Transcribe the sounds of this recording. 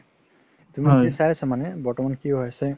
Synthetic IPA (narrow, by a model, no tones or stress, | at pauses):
tumiisajasamanɛbɔɹtɔmankiɦɔjasɛ